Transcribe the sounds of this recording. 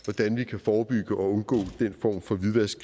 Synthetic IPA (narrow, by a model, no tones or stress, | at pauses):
ʋɒd̥ænʋikʰæfɒːb̥yɡ̥əʔɒ̽ɔ̽nɡ̥ɔ̰̽ːd̥enfɒ̰ːmfɒ̽ʋiðˠʋæɐsɡ̥